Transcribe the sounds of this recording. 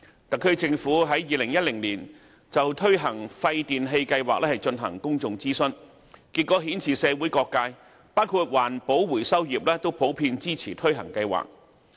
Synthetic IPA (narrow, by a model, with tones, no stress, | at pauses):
t̪ɐ˨˩kʰːɵ˧t͡sɪ˧ŋfuː˨˥ɦɐ˨˥jːiː˨˧lɪ˨˩ŋjɐ˥t̚lɪ˨˩ŋliː˨˩n | t͡sɐ˨wt̪ʰɵ˥ɥɦɐ˨˩ŋfɐ˧jt̪iː˨nɦe˧jkɐ˧jwaː˨k̚lɛː˥hɐ˨jt͡ʃɵ˧nɦɐ̰˨˩ŋkʊ˥ŋt͡sʊ˨˧ŋt͡siː˥sɵ˥n | kiː˧t̚kːɔː˨˥ɦiː˨˥nt͡sʰiː˨˩sɛː˨˧wu˨˥jkɔː˧kːaː˧j | paː˥wkʰuː˧t̚waː˨˩npo˨˥wwuː˨˩jsɐ˥wjiː˨p̚lɛː˥t̪o˥wpʰo˨˥wpʰiː˧nt͡siː˥t͡sʰiː˨˩t̪ʰɵ˥ɥɦɐ̰˨˩ŋkɐ˧jwa̰ː˨k̚